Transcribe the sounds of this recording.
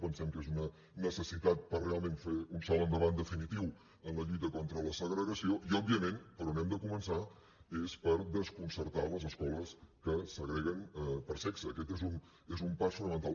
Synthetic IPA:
pənsɛmkezunə | nəsəsit̪at̪̚pərrealˠmẽnfeunsɔlənd̪əβand̪əfinit̪iw | ənləʎujt̪əkɔnt̪ɾələsəɣɾəɣəsioʔiɔbːiəmenpəɾɔnɛmd̪əkumənsa | espəɾðəskunsəɾt̪aləzəskɔləskəsəɣɾɛɣənpəɾsɛksəːkɛt̪ezun | ezumpasfunəmənt̪al

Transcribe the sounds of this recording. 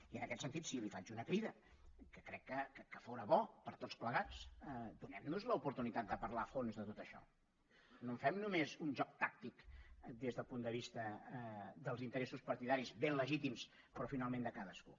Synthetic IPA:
iənəkɛt̪sənt̪it̪silifad͡ʒunəkɾiðə | kəkɾɛkːəkəkəfowɾəβɔpəɾt̪otspləɣat͡sd̪unɛmnuzləupuɾt̪unit̪at̪̚d̪əpəɾlafonzðət̪ot̪əʃɔ̰ | noɱfɛmnumezunʒɔk̚t̪ak̚t̪ikd̪ezðəlˠpund̪əβ̞ist̪ə | d̪əlˠzint̪əɾɛsuspəɾt̪iðaɾizbenləʒit̪ims | pɾɔfinalˠmẽnd̪əkaðəskṵ

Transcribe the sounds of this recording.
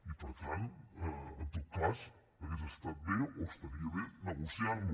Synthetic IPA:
ipəɾt̪anəənt̪ot̪̚kaz | əɣezəst̪at̪̚beost̪əðiəβenəɣusjaɾmu

